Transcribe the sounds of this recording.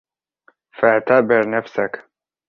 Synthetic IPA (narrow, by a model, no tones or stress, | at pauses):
faʔt̪aːbɪɾnafsak